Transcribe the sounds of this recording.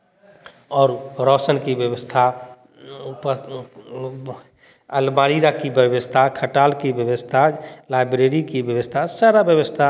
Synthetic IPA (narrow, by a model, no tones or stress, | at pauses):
ɔːɾɾɔːsənkibjəʋəst̪ʰa | p | əlmaɾiɾakibəʋəst̪ʰakʰəʈaːlkibjəʋəst̪ʰalajbɾeɾikibjəʋəst̪ʰasaɾabjəʋəst̪ʰa